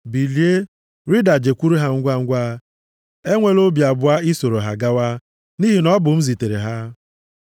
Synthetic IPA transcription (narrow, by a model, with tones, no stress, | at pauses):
bi˨li˨˦e˦ | ɾi˦da˨d͡ʒe˨kʷu˦ɾu˦ɦa˦ŋ̩˦ɡʷa˦ŋ̩˦ɡʷa˦ | e˦ŋʷe˨lo˦bja˨bʊ˨˦a˦i˦so˨ɾo˨ɦa˨ɡa˦wa˦ | ni˦ɦi˨nɔ˦bʊ˨m̩˦zi˨te˨ɾḛ˨ɦa˦